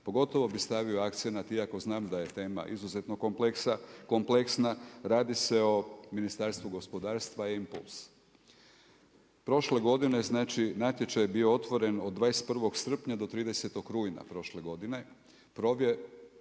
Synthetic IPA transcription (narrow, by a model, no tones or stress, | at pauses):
po̞ɡo̞t̪o̞ʋo̞bist̪aʋio̞akt̪senat̪iako̞znaːmd̪aje̞t̪e̞ːma̰ʔizuzet̪no̞kompleksako̞mpleksnaɾaːd̪ise̞o̞minist̪aːɾst̪ʋuɡo̞spo̞d̪aːɾst̪ʋampṵls | pɾo̞ʃle̞ɡo̞d̪ine̞znaːt͡ʃinaːt̪je̞t͡ʃajebioo̞t̪ʋo̞ɾe̞no̞d̪d̪ːʋaːest̪̚pr̩ʋo̞ɡsr̩pɲad̪o̞t̪ɾiːd̪e̞se̞t̪o̞kɾuːjna̰pɾo̞ʃle̞ɡo̞d̪ine̞ | pɾoʋje